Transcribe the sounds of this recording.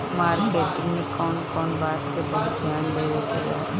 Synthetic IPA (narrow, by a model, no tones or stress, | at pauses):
maːɾbɛːʈɪ̃ŋnekɔːnkɔːnbaːt̪kebɐɦʊt̪d̪ʱjaːnbeːʋekiɡa̰ː